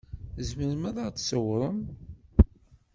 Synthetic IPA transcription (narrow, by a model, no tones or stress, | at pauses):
zməɾəmæðˤəʁt͡sːsəwɾˤəm